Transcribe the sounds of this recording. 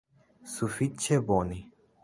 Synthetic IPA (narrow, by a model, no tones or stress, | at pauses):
sufit͡ʃːɛbɔni